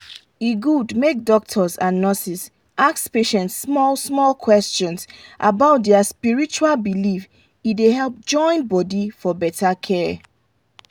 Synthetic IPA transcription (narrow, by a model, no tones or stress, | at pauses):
iɡudmek̚dɔk̚tʰɔzãnːɔsis | ʔakspeʃɛ̃ntsːmɔlsmɔlkʰwɛst͡ʃɔ̃nsʔabaʊt̚dɛaspiɹit͡ʃualbilif | ideɦɛlˠp̚d͡ʒɔ̃ɪ̃nbɔdifɔbɛtʰakʰɛ